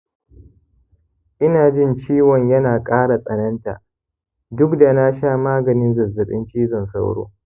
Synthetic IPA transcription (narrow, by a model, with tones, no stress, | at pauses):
ʔɪ˦naː˨d͡ʒɪ˦˨nt͡ʃiː˦wɔ˨ɲjɐ˦naː˨kʼaː˦ɽa˨sʼɐ˨nɐ˦nta̰˨ʔ | dʊ˦kda˨na˦ʃaː˦˨maː˦ɡɐ˨nɪ˦nzɐ˨zɐ˨ɗɪ̰˦nt͡ʃiː˦zɔ˨nsa˦wɽo̰ː˦